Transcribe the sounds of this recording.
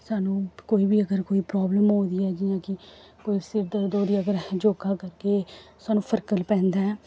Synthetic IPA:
saːnũːkoːiːbiːəɡəɾkoːiːpɾɔːbləmɦõːnd̪iːɛːd͡ʒɪjãːkɪ | koːiːsɪɾd̪əɾd̪oːɾiːəɡəɾd͡ʒoːɡaːkəɾkeːsaːnũːpʰəɾkəlpɛ̃ːnd̪aːɛː

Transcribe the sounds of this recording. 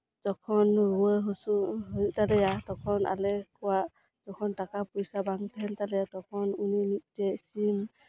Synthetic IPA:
zɔkʰɔnɹuɔɦɔsuɦujtalɛjatɔkʰɔna̰lɛkɔwaʔ | z̥ɔkʰɔntakapujsabaŋtʰɛltalɛjatɔkʰɔnuninit̚tɛsim

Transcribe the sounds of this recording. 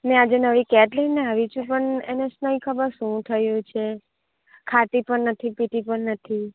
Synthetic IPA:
nead͡ʒenəʋikɛʈlenːeaʋit͡ʃʰũpəɳḛnesnəikʰəbəɾʃũt̪ʰəjũt͡ʃʰe | kʰaʈ̪ipəɳnət̪ʰipiʈ̪ipəɳnət̪ʰi

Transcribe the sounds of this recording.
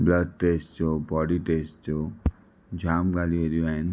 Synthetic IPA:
blʌd̚ʈesʈt͡sobɔɽiʈesʈt͡so | d͡zʱamɡaliʌɾian

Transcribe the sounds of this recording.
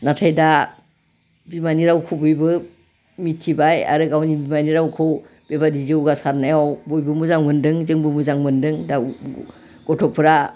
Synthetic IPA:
natʰajda | bimaniɾawkʰɔwbujbɯ | mitʰibaja̰ɾɯɡawnibimaniɾawkʰɯw | b̥ebadizewɡasaɾnajawbɔjbɯmuzaŋmɯndɯŋzɯŋbɯmuzaŋmɯndɯŋda | ɡ̥ɔtʰɔpʰɯɾa

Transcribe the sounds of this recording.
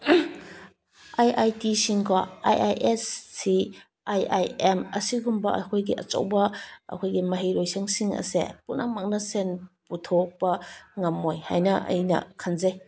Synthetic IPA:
ajʔajtisiŋkɔa̰jʔajʔessi | ajajemɐsiɡumbɐʔɐ̰kʰojɡiʔɐt͡ʃo̰wbɐɐ̰kʰojɡimɐɦijɾojsʰaŋsiŋɐ̰sḛpuna̰ŋ̚mak̚nɐsenputʰɔk̚bɐŋamːojha̰jnɐʔɐ̰jnɐ̰kʰanzaj

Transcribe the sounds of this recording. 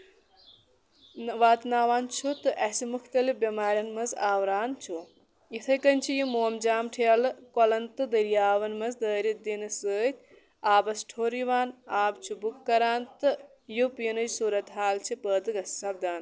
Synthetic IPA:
ʋaːt̪naːʋaːnt͡ʃʰut̪ɨʔɛsimukʰt̪ɐlifbɐmaːɾʲjɐnmɐzaːwɾaːnt͡ʃʰu | it̪ʰɐjkɐnʲt͡ʃʰijimoːmd͡ʒaːmʈʰelɨkolɐnt̪ɨd̪ɐɾijaːʋɐnmɐzd̪əːɾid̪inɨsəːt̪̚ʲʰ | aːbɐsʈʰoːɾiʋaːnaːbt͡ʃʰubukːɐɾaːnt̪ɨ | jupinɨd͡ʒsuːɾɐt̪ɦaːlt͡ʃʰipəːt̪ɨɡɐssɐb̚d̪aːn

